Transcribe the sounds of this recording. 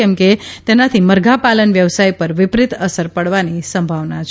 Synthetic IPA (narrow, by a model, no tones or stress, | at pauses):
ɛmket̪ɛnat̪ʰiməɾɡʱapalənʋjəʋsajpəɾʋɪpɾit̪əsəɾpəɽʋanisəmbʱaʋnat͡ʃʰ